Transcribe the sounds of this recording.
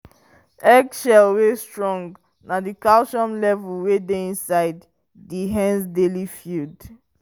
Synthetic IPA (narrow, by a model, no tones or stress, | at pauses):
ɛɡʃɛlwestɹɔ̃ŋɡ | nadikalʃɔ̃mlɛvulwedeĩnsaɪdː | iɦɛ̃nsdelifjud